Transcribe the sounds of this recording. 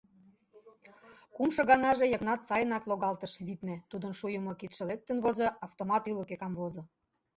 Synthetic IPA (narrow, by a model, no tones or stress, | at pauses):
kumʃɤ̆ɣɑnɑʒejɤ̆knɑt̪sɑjənɑkloɣɑlt̪əʃβit̪nĕt̪ud̪ənʃujə̆mŏkit̪ʃĕlek̚t̪ə̆nβozɤʔɑft̪omɑt̪ylokekɑmβozɤ̆